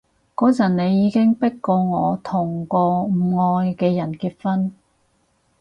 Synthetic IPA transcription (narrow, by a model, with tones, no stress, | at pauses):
kɔː˨˥t͡sɐ˨˩nne˨˧jiː˨˧kɪ˥ŋpɪ˥kkːɔː˧ŋɔː˨˧t̪ʰʊ˨˩ŋkɔː˧m̩˨˩ŋɔː˧jkɛː˧jɐ˨˩nkiː˧t̚fɐ˥n